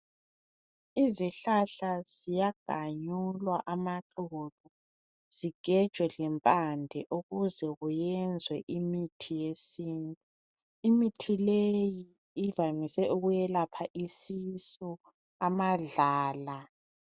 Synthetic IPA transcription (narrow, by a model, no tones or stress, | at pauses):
iziɬaɬaz̥ijaɡ̥ʱaɲulwaʔamaǁuβu | z̥iɡ̥ʱɛd̥ʒ̥ʱwɛɮɛmpʼandʱɛʔuɣuzɛɣujɛnd͡zʱwɛʔimitʰijesiːntʼu | imitʰilejiː | vamisɛʔuɣujɛlapʰaʔisisɔ | amaɮaːla